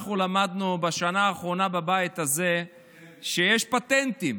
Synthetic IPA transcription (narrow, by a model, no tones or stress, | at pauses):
χulamad̪nubeʃanaːχʁo̞nababajit̪aze | ʃejeʃpat̪ent̪im